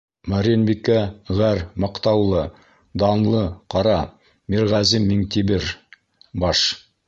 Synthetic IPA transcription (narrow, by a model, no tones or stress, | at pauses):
mɑɾʲinbikæʁæɾmɑ̆qt̪ɑwlˠɤ | d̪ɑnlˠɤqɑɾɑ | miɾʁɑzimːiŋt̪ibɘɾ | bɑʃ